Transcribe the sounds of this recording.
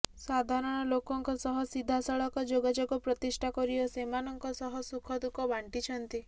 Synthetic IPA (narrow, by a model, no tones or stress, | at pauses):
sad̪ʱaɾɔɽ̃ɔlokɔŋkɔsɔɦɔsid̪ʱasɔɭɔkɔd͡ʒoɡad͡ʒoɡɔpɾɔt̪isʈʰakɔɾiɔsemanɔŋkɔsɔɦɔsukʰɔd̪ukɔbʱaɳʈit͡ʃʰɔnt̪i